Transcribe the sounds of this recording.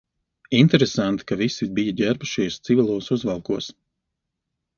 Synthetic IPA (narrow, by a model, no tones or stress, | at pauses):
int̪ɛɾesant̪i̥kavisibijaɟʲæɾbuʃiɛst̪sivilˠuɔsuzvalˠkuɔs